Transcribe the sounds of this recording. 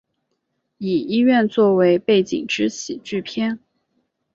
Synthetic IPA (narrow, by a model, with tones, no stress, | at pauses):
i˨˩i˥ɥɛ˥˧nt͡swɔ˥˩we˧˥ɪpe˥˩ɪt͡ɕḭ˨˩ŋʈ͡ʂɻ̩˥t͡ɕʰi˨˩t͡ɕy˥˩pʰjɛ˥˩n